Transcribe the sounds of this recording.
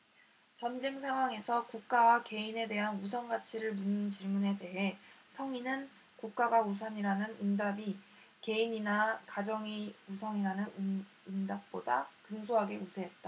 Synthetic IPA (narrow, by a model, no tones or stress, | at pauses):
t͡ɕʌnd͡ʑe̞ŋsʰaŋɦwaŋe̞sʰʌkuk̚k͈awake̞ine̞de̞ɦanus̬ʰʌŋɡat͡ɕʰiɾɯɭmunɯnt͡ɕiɭmune̞de̞ɦe̞sʰʌŋinɯn | kuk̚k͈aɡaus̬ʰaɲiɾanɯnundabi | ke̞iɲinakad͡ʑʌŋiusʰʌŋiɾanɯn | undap̚p͈odakɯŋsʰoɦaɡe̞usʰeɦet̚t͈a